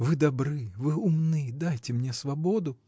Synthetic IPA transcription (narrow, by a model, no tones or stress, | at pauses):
vɨd̪ɐbɾɨvɨʊmnɨjd̪ajtʲɪmnʲe̞svɐbo̞d̪ʊ